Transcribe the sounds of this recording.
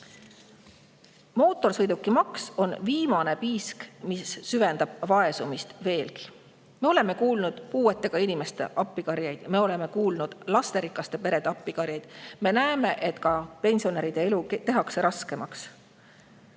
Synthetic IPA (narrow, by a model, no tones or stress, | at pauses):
mo̞ːt̪ːˑo̞rsɤjd̪ukːˑimɑkso̞nviːmɑne̞piːskmisːyve̞nd̪̥ɑb̥vɑe̞sumist̪ve̞ːlki̥ | me̞o̞le̞me̞kuːlnud̪̥puːe̞t̪ːˑe̞ɡ̥ɑinime̞st̪e̞̰ʔɑpːikɑɾjɑjd̪̥me̞o̞le̞me̞kuːlnud̪̥lɑst̪e̞ɾikːˑɑst̪e̞pe̞ɾe̞d̪eɑpːikɑɾjɑjd̪̥me̞næeme̞ʔe̞t̪ːkɑpe̞nʲsio̞neɾid̪̥e̞elut̪e̞ɦɑkse̞ɾɑske̞mɑks